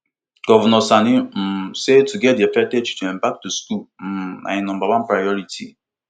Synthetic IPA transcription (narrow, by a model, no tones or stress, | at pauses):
ɡ̥ɔvɛnɔsanim̩setuɡɛt̚diafɛk̚tɛt͡ʃi̥tuɛ̃mbak̚tuskum̩nʔa̰nɔ̃mbawãnpɹajɔɹitʰḭ